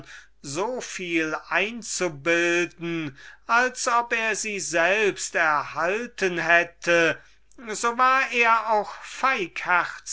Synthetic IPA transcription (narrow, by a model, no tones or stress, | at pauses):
zoːfiːlʔaɪnt͡subɪldn̩ʔalsʔɔpeːɐziːzɛlpstɛɐhaltʰənhɛtʰə | zoːvaːɐʔeːɐaʊxfaɪkhɛʁ